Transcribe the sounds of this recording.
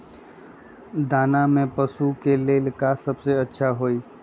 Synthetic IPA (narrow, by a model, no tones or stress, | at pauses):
d̪aːnamẽpəsukeleːlkasəbseətːʃʰaɦoːiː